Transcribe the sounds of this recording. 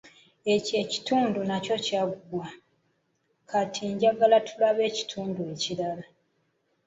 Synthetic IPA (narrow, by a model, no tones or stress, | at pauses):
e̞ce̞ci̥tuːndunaco̞caːɡuɡwa | kʰatʰiɲɟaɡalatʰulaβe̞ːci̥tʰuːndue̞cilala